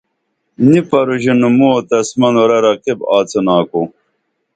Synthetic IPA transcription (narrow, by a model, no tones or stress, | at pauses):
nipɐɾuʑinumuot̪ɐsmɐnoɾɐɾɐqibaːt͡sɐnaːku